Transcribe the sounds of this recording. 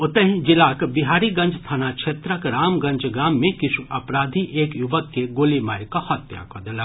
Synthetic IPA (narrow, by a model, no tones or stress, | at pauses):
ʊt̪əɦĩd͡ʒɪlaːkbɪɦaːɾiɡɐ̃ɲd͡ʒʱst̪ʰanakt͡ʃʰeːt̪ɾəkɾaːmɡɐ̃ɲd͡ʒɡaːmːẽkɪt͡ʃʰuʔɐpɾaːd̪ʱiʔeːkjʊʋəkːeɡoːlimaːɾkahɐt̪ja̰kɔd̪ɪlaː